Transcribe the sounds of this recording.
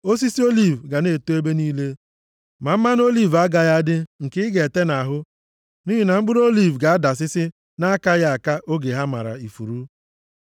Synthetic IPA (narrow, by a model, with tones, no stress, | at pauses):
o˦s̬i˦si˦o˦li˦˨vɡa˨ne˨to˦e˦be˦niː˦le˦ | ma˨m̩˦ma˦n˦o˦li˦˨va˦ɡa˨ja˦dɪ˦ŋ̩˨kɪ˦ɪ˦ɡe˨e˨te˦na˨ɦʊ˦ | ni˦ɦi˦na˨ŋ͡m̩˦ɡ͡bʊ˦ɾo˦li˦˨vɡa˨a˦da˨s̬ɪ˦sɪ˦ | na˦ka˦ja˦a˨ka˦ʔo˦ɡe˨ɦa˦ma̰˨ɾa̰˨i˨fu˨ɾu˦